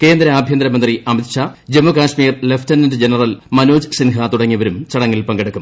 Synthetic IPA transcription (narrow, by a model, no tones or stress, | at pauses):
ke̞ːnd̪ɾɐaːbʱjɐnd̪ɾɐmɐnd̪riɐmit̪ʂad͡ʑemukaːʂmiːrleftɐnindɨd͡ʑenɐrɐlmɐnoːd͡ʑɨsinɦɐat̪uɽɐŋːiɐʋɐɾumt͡ɕɐɽɐŋːilpɐŋɡeɽukːum